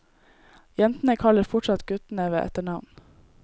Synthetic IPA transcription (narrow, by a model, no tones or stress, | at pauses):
jɛnt̪n̩əkʰɑləɾfɔʈsɑt̪ɡʉt̪neːʋəʔɛ̰t̪əɳɑʋn